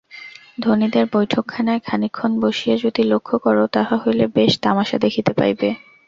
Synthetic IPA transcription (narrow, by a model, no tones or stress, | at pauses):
d̪ʱonid̪eɾbojʈʰokʰːanaekʰanikʰːonboʃijad͡ʑod̪ilokʰːokɔɾot̪aɦaɦojlebeʃt̪amaʃa̰d̪ekʰit̪epa̰jbe